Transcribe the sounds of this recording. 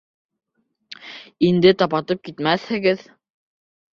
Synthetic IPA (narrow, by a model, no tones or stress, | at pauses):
ind̪ɘt̪ɑpɑt̪ɤp̚kit̪mæθhɘ̆ɡɘð